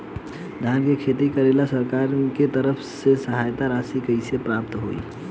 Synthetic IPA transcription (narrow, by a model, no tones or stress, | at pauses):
d̪ʱankekʰet̪ikəɾelasəɾkaɾket̪əɾəpʰsesəɦajt̪aɾasikəɪsepɾap̚t̪ɦo̰ḭ